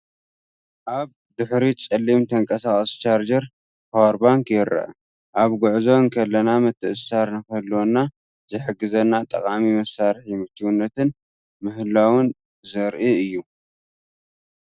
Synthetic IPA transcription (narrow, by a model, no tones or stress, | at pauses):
ʔaβ | d̪ɨħɾit͡sʼɐlːimt̪ʰɐŋkʼɐsaχʼɐst͡ʃʰaɾd͡ʒɐɾ | howɾbaŋkjɪɾʔɐ̰ʔa̰ | ʔaβɡʊʕzo̞nkʰɐlːɐnamɨt̪ʰːɨʔɨsaɾnɨkɐlːonːa | zɨħɨɡːɨzɐnːat̪ʼɐ̰kʼamimɐsaɾħimɨt̪ʰiwunːɐt̪ɨn | mɨhɨlawʊn | zɐɾʔiɨjːu